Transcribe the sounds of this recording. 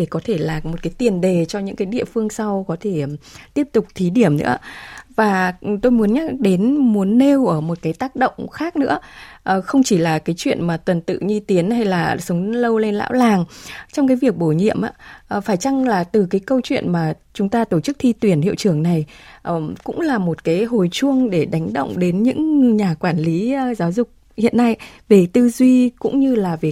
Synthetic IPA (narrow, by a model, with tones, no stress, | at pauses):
ɗe˧˩kɔ˨˦t̪ʰe˧˩laː˨˩mo˨˩t̚kaː˨˦jt̪i˨˩ənɗe˨˩t͡ɕɔ˧ɲɨ̰˧˥ŋkaː˨˦jɗḭ˧˨əfɨ˧əŋsa˧wkɔ˨˦t̪ʰe˧˩t̪i˦˥əp̚t̪ʊ˨˩k͡p̚t̪ʰi˨˦ɗi˧˩əmnɨ̰˧˥əvaː˨˩˨t̪o˧jmu˨˦ənɲa˦˥k̚ɗe˨˦nmu˨˦ənːe˧wʔəː˧˩mo˨˩t̚kaː˨˦jt̪aː˦˥k̚ɗə̰˧˨wŋ͡mxaː˦˥k̚nɨ̰˧˥əʔə˨˩xə˧wŋ͡mt͡ɕi˧˩laː˨˩kaː˨˦jt͡ɕwḭ˧˨ənmaː˨˩t̪wə˨˩nt̪ɨ̰˧˨ɲi˧t̪i˨˦ənha˧jlaː˨˩sə˨˦wŋ͡mlə˧wle˧nla̰ː˧˥wlaː˨˩ŋt͡ɕɔ˧ŋ͡mkaː˨˦jvi˨˩ək̚ɓo˧˩ɲḭ˧˨əmʔa̰ː˧˦˨faː˧˩jt͡ɕa˧ŋlaː˨˩t̪ɨ˨˩kaː˨˦jkə˧wt͡ɕwḭ˧˨ənmaː˨˩ | t͡ɕʊ˨˦ŋ͡mt̪aː˧t̪o˧˩t͡ɕɨ˦˥k̚t̪ʰi˧t̪wi˧˩ənhḭ˧˨əwt͡ɕɨ˧˩əŋna˨˩jʔəː˨˩kʊ̰˧˥ŋ͡mlaː˨˩mo˨˩t̚kaː˨˦jɦo˨˩jt͡ɕu˧əŋɗe˧˩ɗa˨˦jŋ̟ɗə̰˧˨wŋ͡mɗe˨˦nɲɨ̰˧˥ŋɲaː˨˩kwaː˧˩nli˨˦˧zaː˨˦wzʊ˨˩k͡p̚ | hḭ˧˨ənːa˧jve˨˩t̪ɨ˧zwi˧kʊ̰˧˥ŋ͡mɲɨ˧laː˨˩vi˨˩